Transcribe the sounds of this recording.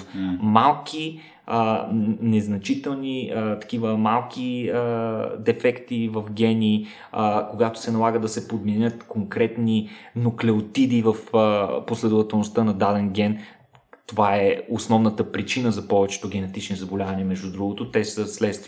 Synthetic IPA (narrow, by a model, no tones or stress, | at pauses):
malˠkʰi | ənɛznɐt͡ʃit̪ɛlˠniət̪ɐ̥kʲivəmalˠkʰʲiəd̪ɛfɛkt̪ivɐfɡʲɛni | əkoɡat̪o̥sɛnɐlˠaɡəd̪ɐsɛpod̪mɛnʲət̪koŋkɾɛt̪ninoklɛot̪id̪ivəfəposlɛd̪ʊvɐt̪ɛlˠnʊst̪ənɐd̪ad̪ɛnɡʲɛn | t̪ovaɛosnɔvnət̪əpɾit͡ʃinəzɐpɔvɛt͡ʃɛ̥t̪oɡʲɛnɛt̪it͡ʃnizɐbolʲavɐniəmɛʒd̪ud̪ɾuɡʊt̪ot̪ɛsəslɛt̪st̪v